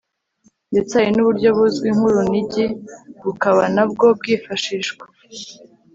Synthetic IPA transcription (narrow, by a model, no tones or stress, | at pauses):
ndet͡sajinuβuɾɟo̞βuzɡwiːŋ̥huɾuniɟiβukaβanab̚ɡo̞b̚ɡiːfaʃiʃɡwḁ